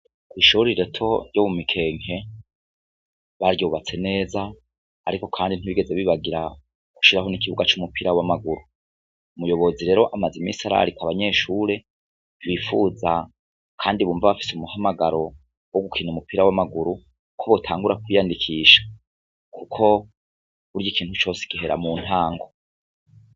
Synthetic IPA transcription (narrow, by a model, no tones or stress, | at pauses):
kwiːʃuɾiɾetʰo̞ɾjoβumikʰe̞ːŋ̥he̞ | βaɾjoːβat͡se̞ne̞ːzaː | ɾiko̞kʰaːndin̥iβiɡe̞ze̞βiβaɡiɾa | ku̥ʃiɾaɦo̞nikiβuɡat͡ʃumupiɾawamaɡuɾu | umujo̞βo̞ziɾe̞ːɾo̞ʔamazimisaɾa̰ɾikaβaɲe̞ʃuɾe̞ | wifuːza | kʰaːndiβuːɱvaβafi̥seumuhamaɡaɾo̞ | woɡukʰinumupiɾawamaɡuɾu | kʰoβo̞tʰaːŋɡuɾakwijandikʰiːʃḁ | kʰukʰo̞ | βuɾjikʰiːnthut͡ʃo̞ːsi̥kiɦe̞ɾa̰muːn̥haːŋɡo